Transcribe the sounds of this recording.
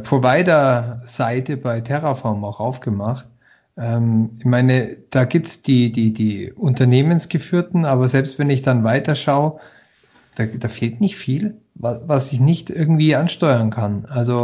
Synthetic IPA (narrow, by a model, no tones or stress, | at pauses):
pʁ̥ovaɪdɐz̥aɪtəbaɪtʰɛʁofɔɐmaʊxʔaʊfɡ̥əmaχt | ʔɛːmɪçmaɪnəd̥aːɡiːp̚tsd̥iːdiːdiːʔʊntɐneːmənsɡ̥əfyːɐtn̩aːbɐzɛlpstv̥ɛnɪçd̥anvaɪtɐʃaʊ | d̥aːd̥aːfeːltnɪçtfiːl | vavasɪçnɪçtʔɪɐɡŋ̩tv̥iːanʃtɔʏɐnkʰanʔalzo